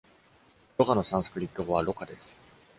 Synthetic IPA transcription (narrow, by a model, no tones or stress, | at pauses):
ɾokano̞sãɰ̃so̥kɯ̟ɾʲit̪ːooβaɾo̞kad̪e̞sɨ̥